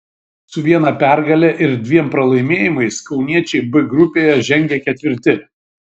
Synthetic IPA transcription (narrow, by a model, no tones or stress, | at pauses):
sʊʋʲiɛnɐpʲæˑɾɡɐlʲɛʔɪɾd̪ʲʋʲiɛmpɾɐlˠɐɪmʲeːjɪmɐɪskɒʊnʲiɛt͡ʃʲɛɪbɪɡɾʊpʲeːjɛʒʲɛŋʲɡʲɛkʲɛt̪ʲʋʲɪɾʲt̪ʲɪ